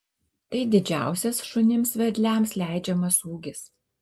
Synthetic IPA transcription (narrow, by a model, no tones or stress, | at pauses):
t̪ɐɪd̪ʲɪd͡ʒʲæ̰ˑʊsʲɛsʃʊnʲɪmsʋʲɛd̪ʲlʲæmslʲæˑɪd͡ʒʲɛmɐsuːɡʲɪs